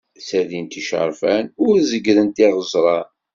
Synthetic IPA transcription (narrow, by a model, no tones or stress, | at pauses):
sæðint̪iʃə̰ɾfænʊɾzəɡðənt̪iʁəzˤɾˤɑn